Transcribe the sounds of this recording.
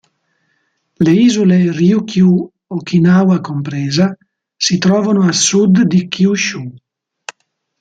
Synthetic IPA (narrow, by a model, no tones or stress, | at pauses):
leiːzulerjukʰju | okinawakompɾeːza | sit̪ɾɔːvanoasud̪d̪ikʰjuʃu